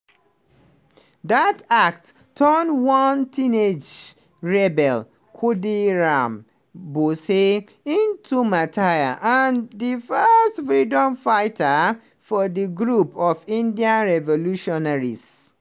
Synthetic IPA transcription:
datak̚t | tʰːɔnwɔ̃ntʰĩned͡ʒ | ɹɛbɛl | kʰodiɹãm | bose | ĩntʰumatʰajaʔandifɜstfɹidɔ̃mfaɪta | fɔðiɡɹupɔfĩndiãnɹɛvoluʃɔnaɹis

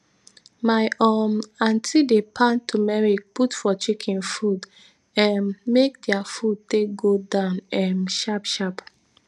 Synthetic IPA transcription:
maɪʔɔmãntʰidepʰãntʰumɛɹiputfɔt͡ʃekʰĩnfud | ɛ̃nmek̚dɛafud̚tek̚ɡodãʊ̃nɛ̃mʃapʃap

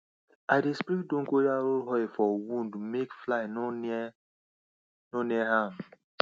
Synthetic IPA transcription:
aɪdespiɾit̚dõŋ̩kojaɾolɦɔfɔwũndmekflaɪn | noniɛɦam

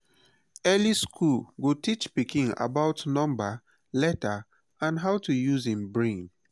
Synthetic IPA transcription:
ɛliskʰulɡotit͡ʃpikĩŋa̰baʊtnɔ̃mba | lɛta | ãnɦawtujuzĩmbɹẽn

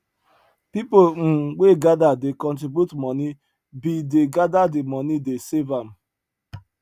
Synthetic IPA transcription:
pipolŋ̩ɡ͡beɡadadɪkɔ̃ntibjutmɔni | bideɡadadɪmɔnidesevam̩

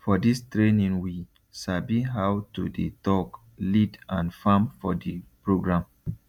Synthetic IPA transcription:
fɔdistɹenĩŋwi | sabiɦawtudḭtɔk | lidãnfãmfɔdipɹoɡɹãm

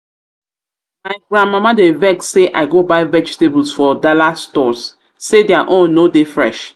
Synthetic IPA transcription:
maɪɡɹãnmamadevɛkseʔa̰ɪɡobaɪvɛd͡ʒtebəl̩sfɔdalastɔs | sedɛaʔõnːodefɹɛ̰ʃ

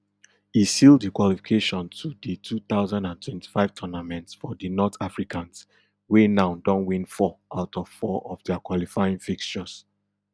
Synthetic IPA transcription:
isildikwalifikʰeʃɔ̃ntʰuditʰuθaʊzãndãntʰwɛ̃nti̥faɪv̥tʰɔnamɛ̃ntsfɔdinɔtʰafɹikãns | wenãʊdɔ̃nwĩnfɔʔaʊtɔv̥fɔʔɔvdɛakwalifaɪĩŋfikʃɔs

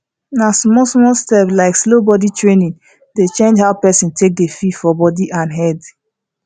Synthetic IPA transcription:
nasmɔlsmɔlstɛplaɪkslobɔditɹenĩn | det͡ʃẽnd͡ʒhaʊpɛsĩntʰek̚defifɔbɔdiʔãnɦɛd

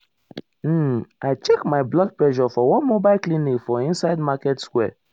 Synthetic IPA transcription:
m̩aɪt͡ʃɛkmaɪblɔd̚plɛʒɔfɔwɔ̃nmobaɪlklĩnikfɔĩnsaɪdmakɛtskwɛ

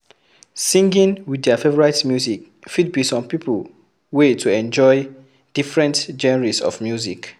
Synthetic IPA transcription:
sĩŋɡĩnwidɛəfevɔɹaɪtmjuzik | fid̚bisɔ̃mpipʰul | wetʰuɛ̃nd͡ʒɔɪ | d̥ifɹɛ̃ntd͡ʒɛnɛɹisɔ̰vmjuzik

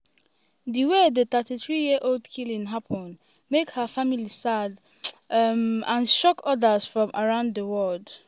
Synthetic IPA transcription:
diwedət̪ətiθɹijiəʔoldkʰilĩnɦapʰɔ̃n | mekhəfamilisad | mãnʃɔkʰɔdəz̥fɹɔ̃mʔaɹãʊ̃ndðəwɔld

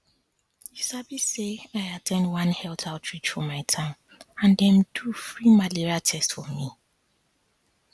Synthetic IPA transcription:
jisabiseaɪatʰɛ̃ndwʌ̃nhɛltʰaltʰɹit͡ʃfɔmaɪtʰãm | ãndɛ̃mdufɹimaliɹiatʰɛstfɔmi

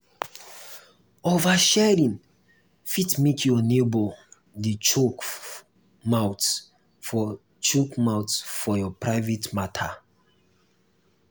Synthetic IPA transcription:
ovaʃɛɹĩn | fitmekʰjɔnebo | dit͡ʃok | mawt | t͡ʃokmawtsfɔjɔpʰɹaɪvetmatʰa

